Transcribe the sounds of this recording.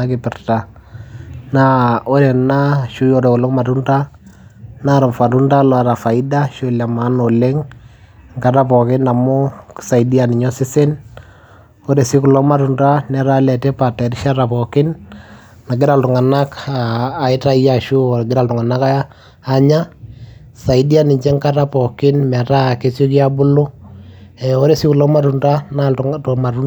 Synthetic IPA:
akɪ˨pɪ˨rta˨ | nao˦ɾɛ˨na˦ʃu˦jɔ˦ɾɛ˨kʊ˨lɔ˦ma˨tu˦nda˦ | na˦ɾa˨mfa˨tu˦nda˦lɔ˦a˨ɾa˨fa˨ɪ˦da˦ʃo˦la˨ma˦no˨le˦ŋ | ŋka˨ɾa˦pɔ˨kɪ˦na˨mʊ˦ksa˨idi˦a˨nɪ˨ɲɔ˦sɪ˦sɪ˦n | o˦ɾɛ˨sɪ˦kʊ˨lɔ˦ma˨tunda˦nɛ˦ɾa˦lɛ˨te˦pa˨tɛ˨ɾɪ˦ʃa˦ɾa˨pɔ˨kɪ˦n | na˨ɡɪ˦ɾa˨ltʊ˨ŋa˨na˦kaː˨ɪ˦ta˦ja˨ʃu˦o˨ɡɪ˦ɾa˨ltʊ˨ŋa˨na˦kaː˦ | ɲa˦ | sa˨ɪ˦di˦a˦nɪ˨ɲt͡ʃe˦ŋka˦ta˦pɔ˨kɪ˦nmɛ˨ta˦˨ke˦so˦ki˦a˦bʊ˦lu˦ | ɛ˨o˦ɾe˦˨si˦ku˨lɔ˦ma˦ɾu˨nda˦nato˨ma˨ɾu˦n

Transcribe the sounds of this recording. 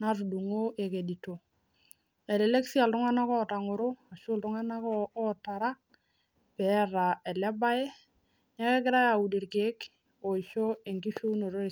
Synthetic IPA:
natu˨du˨ŋo˦ʔe˨ke˨di˨to˨ | ɛ˨le˨le˦ksi˦a˨ltʊ˦ŋa˦na˦kɔ˦ta˨ŋʊ˨ɾʊ˦a˨ʃʊ˦ltʊ˦ŋa˦na˦kːta˨ɾa˦k̚ | pɛ˦ra˨ɛ˨lɛ˦ba˦ɛ˦ | ɲa˦kɛ˦kɪ˦ɾa˦ja˨u˨di˨ɾke˦k | o˨i˨ʃo˦e˨ŋki˦ʃu˦no˨ɾo˦˨

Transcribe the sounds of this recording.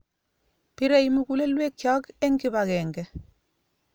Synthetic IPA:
pi˦ɾɛ˨i˦mi˦ku˦le˦lwe˦kjɔ˦kɛ˦ŋɡi˦ba˨kɛːŋɡɛ˨

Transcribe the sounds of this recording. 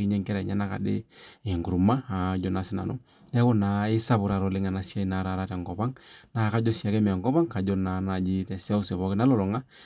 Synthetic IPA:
kɪ˦ɲɛ˦ŋkɛ˦ɾɛ˨ɲɛ˦na˦ka̰˨dɪ̰˦ɪ˨ŋɡu˨ɾu˨ma˦a˨d͡ʒɔ˦na˨sɪ˦na̰˨nʊ̰˦ | nɛ˦kʊ˦na˨ɪ˦sa˦bʊ˨ɾa˨ɾɔ˨lɪ˦ŋa˨na˨sja˦i˨na˨˦ɾa˨ɾa˦tɛ˨ŋɡɔ˨pa˦ŋna˨ka˦d͡ʒɔ˦si˦a˨kɛ˦mɛ˨ŋɡɔ˦pa˦ŋka˨d͡ʒɔ˦na˨na˨d͡ʒi˦tɛ˨sɛ˦ʊ˦sɛ˨βɔ˦kɪ˦na˦lɔ˨lɔ˨ŋa˦

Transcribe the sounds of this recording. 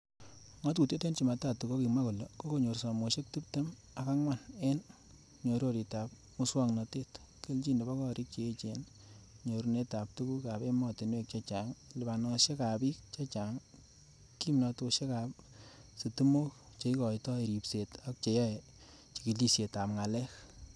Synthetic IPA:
ŋɔ˦t̬u˨tjo˦te˦nt͡ʃi˨ma˨ta˨tːu˨ko˦ki˨ma˦ko˨lɔ˨ko˦ko˦ɲo˨ɾsɔ˨mo˨ʃe˦k̚tu˦pte˦m | a˨ka˦ŋwa˦˨ne˦n | ɲo˨ɾo˨ɾi˨ta˨p̚ | mu˦swa˦ŋnɔ˨te˦t | ke˦lt͡ʃi˦nde˨ba˦kɔ˦ɾi˦k̚t͡ʃe˨e˦t͡ʃe˨n | ɲo˨ɾne˦ta˨p̚tu˦ku˦ka˨pe˦mɔ˨ti˨nwe˦k̚t͡ʃa˦t͡ʃa˨ŋlɪ˨ba˨nɔ˨ʃe˦ka˨pi˦k̚t͡ʃa˦t͡ʃa˨ŋ | ki˦mnɔ˨˧to˧ʃe˦ka˨psi˨tu˦mo˦k | t͡ʃe˨˦i˦kɔ˨jtɔ˦e˨ɾi˨pse˨ta˦k̚t͡ʃe˨ja˦e | t͡ʃi˨ki˨li˦sje˨ta˨pŋa˨lɛ˦k

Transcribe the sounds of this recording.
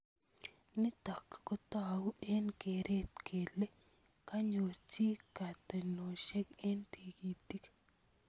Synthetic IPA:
nɪ˦t̪a˨kːɔ˦t̪awu˦e˦nke˨ɾʔe˦t̪kʰe˨le˦ | ka˦ɲo˨t͡ʃi˦ka˨t̪e˨no˨ʃe˦ke˦nt̪i˨ki˨t̪i˦k

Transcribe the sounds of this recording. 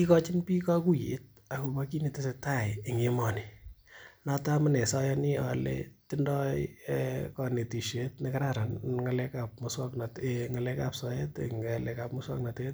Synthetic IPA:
i˦kɔ˦t͡ʃɪ˦npi˦kɔ˦ku˦jḛ˨˦t̚ | a˨ko˨ka˦ki˦ni˨tɪ˦se˧ta˦je˨ŋe˦mɔ˨ni | nata˦ma˦nɛ˨sɔ˦jɔni˦alḛtɪ˦ndɔjkɔne˨ti˨ʃe˦tneka˦ɾa˦ɾa˨nŋa˨lɛkap̚mʊswa˦knatŋa˨lekapsɔ˦je˦tḛŋalɛka˨pmʊswa̰˦kna˨te˦e˦t

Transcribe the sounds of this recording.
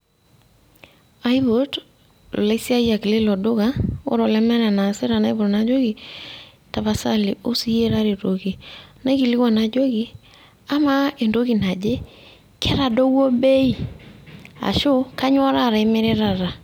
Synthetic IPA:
a˦jβo˨d̰ | la˨˦i˦si˦a˦ja˨kle˦lɔ˨dʊ˦ka˦o̰˦ɾɔ˨lɛ˦mɛ˦ɾa˨na˨sɪ˦ɾa˨na˦jbo˨ɾna˨d͡ʒo˦ɡi˨ | ta˨βa˨sa˦lɪ˨ʔo˦si˦je˦ɾa˦ɾe˨to˨ki˨na˦ki˨lɪ˦kwa˨na˨d͡ʒo˦ki˦ | a˦ma˦e˨ndo˦ki˨na˨d͡ʒe˦ | ke˦ɾa˨do˦wo˦be˦i˨ | a̰˨ʃʊ˦ka˦ɲ˦ɔ˦ɾa˦˨ɾa˨ɪ˦mɪ˦ɾɪ˦ɾa˦˨ɾa˨

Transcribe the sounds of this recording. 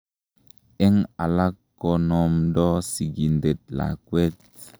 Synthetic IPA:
e˦ŋa˨la˦kːɔ˨nɔ˨mdɔ˦si˨ɡi˨nde˨t̚la̰˨kwe˦t̚

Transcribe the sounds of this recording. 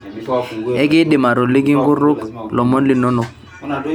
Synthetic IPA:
ɛ˦kɪ˦ɗɪ˨ma˨ɾo˨lɪ˦k̬ɪ˦ŋ̩˦ɡʊ˦ɾʊ˦klɔ˨mɔ˦nlɪ˨nɔ˦nɔ˨

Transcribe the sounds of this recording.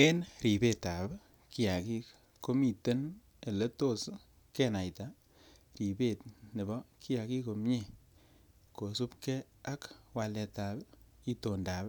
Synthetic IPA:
e˦nɾi˨be˦ta˨b | ki˦ja˨ki˦ | ko˦mi˨te˦n | e˨le˦to˦˨s | ke˦na˨jta˨ | ɾi˨be˨tne˨bɔ˦kʰi˦ja˨ki˦ko˨mɲe˦˨ | ko˨su˦pkɛ˦ | a˦kwa˨lɛ˨ta˨b | i˦to˨ndaː˨b

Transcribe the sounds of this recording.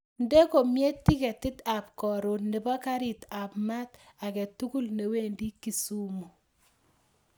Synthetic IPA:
nde˦ko˨mje˦tːi˦kɛ˨ti˦ta˨p̚kɔ˨ɾo˨ne˨bɔ˦ka˦ɾi˨ta˨pma˦ta˨kɛ˨tu˦ɡu˦lne˨we˦ndi˦ki˨su˦mo˨

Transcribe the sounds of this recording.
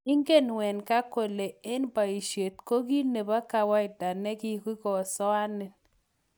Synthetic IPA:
i˦ŋɡe˦˨nwɛ˨nka˦ko˨le˨e˦nba˨i˨ʃe˨t̪ko˦ɡi˦ne˨ba˦ka˨wa˦ɪ˨da˨ne˦ki˦˨ki˦kɔ˨sɔ˦a˦nɛ˨

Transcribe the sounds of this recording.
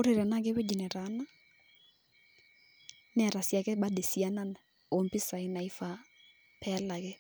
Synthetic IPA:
o˦ɾe˨ɾɛ˨na˦ke˦we˦d͡ʒɛ˨nɛ˨ɾa˨˦na˦ | nɛ˦a˨ɾa˨sja˨kɛ˦ɓa˦de˨sia˦na˦na˨ | o˨mpi˦sa˨i˦na˨i˦fa˨ | pʰɛ˦la˨ɣe˦

